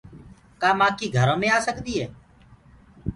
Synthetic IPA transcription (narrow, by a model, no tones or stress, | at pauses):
kaːmaːkiːɡʱəɾõːmẽːaːsəkd̪iːɦɛː